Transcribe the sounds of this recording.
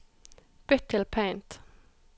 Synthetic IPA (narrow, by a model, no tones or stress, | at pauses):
b̥ʏt̪ʰːɪlpʰẽɪnt̪